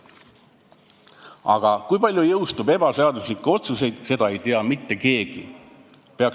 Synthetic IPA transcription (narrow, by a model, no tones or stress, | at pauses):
ɑ̰ɡ̥ɑkujpɑlʲjujɤwst̪ube̞bɑseɑd̪uslikːˑeo̞t̪suse̞jd̪̥se̞d̪̥ɑe̞jt̪eɑmit̪ːe̞ke̞ːɡ̥ḭ | peɑk